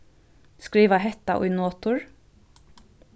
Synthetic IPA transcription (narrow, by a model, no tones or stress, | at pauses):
skɹiːʋɑhɛt̪ɑ̰ʔʊ̰ʏnoːt̪ʊɹ